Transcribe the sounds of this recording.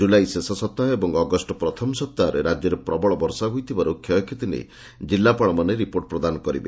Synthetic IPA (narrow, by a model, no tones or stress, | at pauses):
d͡ʒulajsesɔsɔt̪ːaɦebɔŋɔɡɔsʈɔpɾɔt̪ʰɔmsɔp̚t̪ːaɔɾeɾad͡ʒjɔɾepɾɔbɔɭɔbɔɾsaɦujt̪ʰibaɾokʰːjaɔkʰjit̪inḛ | d͡ʒilːapaɭ̃ɔmaneɾipoɾʈ̚pɾɔd̪anɔkɔɾibḛ